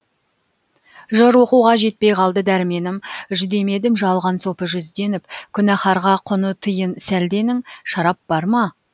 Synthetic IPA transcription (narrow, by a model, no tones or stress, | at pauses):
ʒəɾwo̞quwʁɑʒe̞t̪̚pe̞jqʰɑlˠd̪əd̪æɾme̞nɪmʒʏd̪e̞me̞d̪ɪmʒɑlˠʁɑnso̞pəʒʏzd̪e̞nɪpkʲʰʏnæχɑɾʁɑqʰʊnət̪ʰəjənsæld̪e̞nɪŋʃɑɾɑp̚b̥ɑɾmɑ